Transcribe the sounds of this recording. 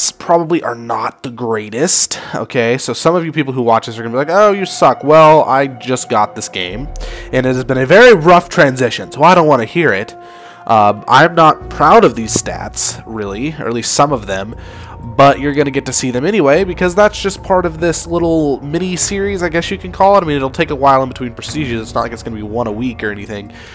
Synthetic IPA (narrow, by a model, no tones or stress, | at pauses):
spʰɹ̥ɑbəbliʔə̰˞nət̪̚ðəɡɹeɪɾɨsto̰ʊkʰeɪsoʊsʌ̃mʌvjɨpipl̩ˠhuwɑt͡ʃðɨs̬ə˞ɡʌnəbilaɪkoʊjɨsʌkwɛlˠa̰ɪd͡ʒʌsɡ̥ɑt̪̚ðɪsɡ̥ḛ̃ɪ̃mɨ̃nɨt̚ɨzbɨ̃ñɨvɛɹiɹʌftʰɹ̥æ̃nzɪʃɨ̃nsoʊaɪɾõʊ̃nʔwɑ̃nɨhiɹɪt | ʔʌ̃mʔã̰ɪ̃mnət̚pʰɹ̥aʊɾʌvðiz̥stæ̰tsɹɪlˠiə̰˞listsʌ̃mʌvðɨ̃m | bʌt͡ʃə˞ɡʌnɨɡɛtɨsiðɨ̃mɛñiweɪbɨkʰʌzðætsd̥ʒ̥ʌspʰɑɹɾʌvðɪslɪɾl̩ˠmɪñisɪɹizaɪɡɛsjɨkʰɨ̃n̩kʰɔlˠəaɪmĩnɨɾl̩ˠtʰeɪkəwaɪlˠə̃nbɨtʰw̥ĩnpʰɹ̥ɨsiʒɨzɨtsnət̚laɪkɨtsɡ̥ʌnəbiwʌ̃ñəwikə˞ɛniθɪ̃ŋ